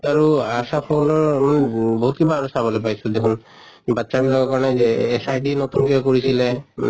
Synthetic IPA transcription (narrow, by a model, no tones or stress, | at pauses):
aɹuasapʰolɔɹmanɛbɔɦut̪̚kʰibaːɹusabɔlepajsed̪ekʰun | batːsabilakakɔɹɔnazeːsajɖinɔt̪unkibakoɹisilema̰n